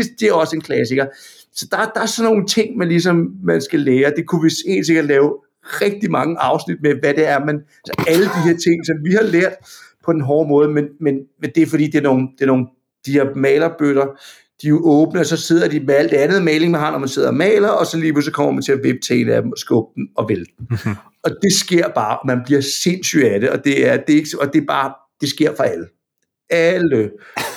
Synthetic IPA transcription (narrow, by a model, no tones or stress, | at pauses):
esd̥eæɐɒ̽səe̝nkʰlæsiɡ̥ɐ | sɒ̽d̥ɑ̈d̥ɑ̈æɐsɒno̝ːŋnt͡sʰe̝ŋ̰mænlis̬ɒ̽mmænsɡ̥æleːɐd̥e̝kʰuʋese̝̰ːns̬e̝ɡ̥ɐd̥lɛːʊ | ʁɛɡ̥̚d̥imɑ̈ŋəʔɑ̈ʊsnid̥meʋæd̥eæɐmæn | ælsʔæləd̥iɦe̝ɐ̰t͡sʰe̝ŋ̰sɒ̽mʋihɑ̈leɐ̰d̥pʰɒ̽d̥enɦɒːmɔ̽ːð̞̩ˠmenmenmend̥e̝fɒd̥ḭːd̥e̝æɐno̝ːn̩d̥e̝ɐno̝ːn | d̥iheɐmɛ̰ːlɐb̥ødɐ | d̥io̝ʔɔːb̥nəɒsɒ̽se̝ð̰ˠɐd̥imeæl̰d̥ænð̩ˠmeːle̝ŋmeɦɑ̈mnɒmænse̝ð̞̰ˠɐmɛːlɐɒ̽sɒ̽liːpʰusɒ̽kʰɒ̽m̰ɐmænt͡sʰe̝æʋeb̥̚t͡sʰɛ̰enæd̥emɒ̽sɡ̥ɔːb̥̚d̥n̩ɒ̽ʋeld̥n̩ | ɒ̽d̥e̝sɡ̥e̝ɐ̰b̥ɑ̈ːʔɒmænb̥liɐse̝nsy̰dæɾeɒ̽d̥e̝æɐd̥e̝e̝ɡ̥ɒ̽d̥e̝b̥ɑ̈ː | d̥e̝sɡ̥e̝ɐ̰fɒ̽ælə | ælə